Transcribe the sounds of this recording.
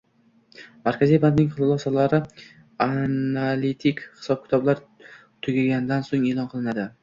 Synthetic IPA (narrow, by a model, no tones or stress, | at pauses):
maɾkʲazijbant̪nɪŋʲχɨlˠɨlˠɒsɒlaɾɪ | analit̪ʰɪkʲhɪ̥sɒb̚kʲɪ̥t̪ʰɒblaɾ | t̪ʰʊɡʲɪlɡʲand̪ansoŋe̞lˠɒnqʰɨlˠɪnad̪ɪ